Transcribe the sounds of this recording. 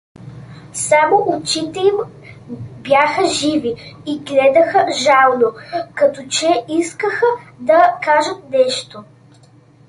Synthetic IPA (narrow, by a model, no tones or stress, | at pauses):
samoʔot͡ʃit̪ɛim | bjaxəʒiviiɡlɛd̪ɐxəʒalˠnokɐt̪ɔt͡ʃɛiskəxəd̪ɐkaʒət̪̚nɛʃt̪o